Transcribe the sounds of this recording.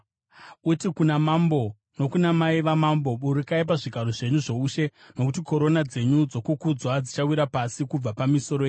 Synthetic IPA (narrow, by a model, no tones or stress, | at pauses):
utikunamambo̞ | no̞kunamaiʋamambo̞ɓuɾikaip̬aʐiɡʱaɾoʐe̞ɲuʐo̞uʃe̞ | no̞kut̬iko̞ɾo̞nad͡ze̞ɲud͡zo̞kukud͡zwad͡zit͡ʃawiɾapasikub͡vapamiso̞ɾojeɲ